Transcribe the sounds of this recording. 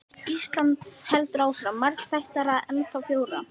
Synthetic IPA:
ist̪lant̪shɛlt̪ʏɾaːwfɾamaɾkl̥fajht̪aɾaðɛnfawfjoːwɾa

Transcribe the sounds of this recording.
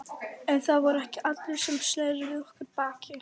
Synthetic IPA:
ɛnθaðvɔɾɛhcɪʔat̪lɛsɛmslɛjɾɪvɪðɔhkɪɾpaːcɪ

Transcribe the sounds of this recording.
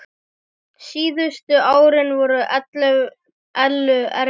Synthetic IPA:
siːðʏst̪ʏʔaːwɾɪnvɔɾʏʔɛt̪lɛɣ | ɛlːʏɛɾ

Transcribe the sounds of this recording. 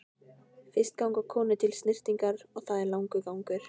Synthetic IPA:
fɪrst̪̚kawŋkakʰɔːnʏt̪ʰɪlst̪nɪr̥t̪iŋkaɾɔɣθaðɛɾlawŋkʏkawŋkʏɾ̥

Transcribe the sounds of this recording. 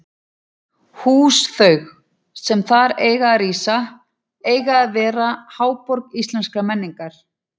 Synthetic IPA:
huːsθœɥx | sɛmθaɾeːjɣaːriːsa | eːjɣaːðvɛːɾahaːwpɔɾkist̪lɛnskɾamɛnːiŋkaɾ̥

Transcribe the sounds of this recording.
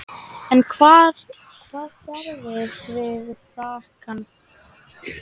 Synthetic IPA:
ɛnkʰvaːð | kʰvaːðfɛɾvɪɾvɪðsaːhkan

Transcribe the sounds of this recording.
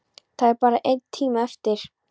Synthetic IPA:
θaðɛɾpaːɾaʔejt̪t̪ʰːiːmaɛft̪ɪɾ̥

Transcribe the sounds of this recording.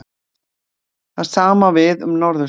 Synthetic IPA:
θað̥saːmavɪðʏ̰mnɔɾðʏ

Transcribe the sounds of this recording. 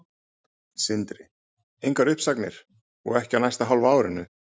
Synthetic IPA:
sɪnt̪ɾɪ | ejŋkvaɾʏhpsaknɪ̰ɾ̥ | ɔ̰ɣɛhcɪanajst̪aɦawlvaaːwɾɪnːʏ

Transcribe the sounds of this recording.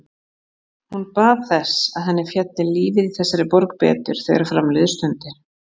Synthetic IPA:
hunpaːðθɛsa̰ðɦɛnːɪfjɛt̪nɪliːvɪɾiθɛsːaɾɪpɔɾk̚pɛ̰ːt̪ʏ̰ɾ̥θḛjɣɾafɾamlɪðst̪ʏnt̪ɪ

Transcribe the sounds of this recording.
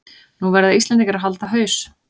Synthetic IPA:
nuvɛɾðaislɛnt̪iŋkaɾaɦalt̪aɦœːɥs

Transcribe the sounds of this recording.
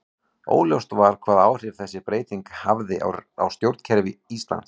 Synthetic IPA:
o̰ːwljowst̪vaɾ̥kʰvaːðaːwr̥ɪv̥θɛsːɪpɾeːjt̪iŋkhavðɪa̰wst̪jowɾt̪cʰɛɾvɪist̪la̰nt̪s

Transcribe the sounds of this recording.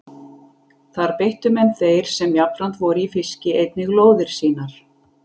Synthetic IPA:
θaɾpeht̪ʏmɛnθejɾ̥sɛmjapɾant̪vɔɾifɪscɪejt̪nɪɣloːwðɪɾ̥siːnaɾ̥

